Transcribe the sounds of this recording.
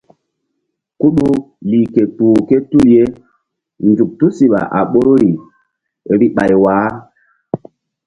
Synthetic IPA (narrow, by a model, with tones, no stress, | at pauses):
ku˦ɗu˦ | liː˨ke˨tuː˨ke˦tu˦lje˦ | nd͡ʒu˨k̚tu˦si˨ɓa̰˨ʔa̰˨ɓo˦ɾo˦ɾi˨ | ɾi˦ɓa˨jwaː˨˦